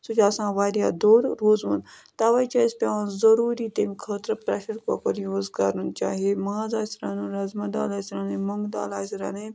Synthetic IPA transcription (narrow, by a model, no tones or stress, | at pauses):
sud͡ʒɐsãːʋaːɾjaːd̪oːɽɾoːzɦuːn | t̪aːʋait͡ʃaːispʲaːnzɐɾuːɾiːt̪eːmkʰəːt̪ɾəpɾɐʃəɾkokəɾijũozɡaːɾunt͡ʃa̰ːɦiemaːzaːisɾaːnuːɾɐzmɐd̪a̰ːlaːisɾaːnemɐŋɡd̪a̰ːlaːisɾa̰ːne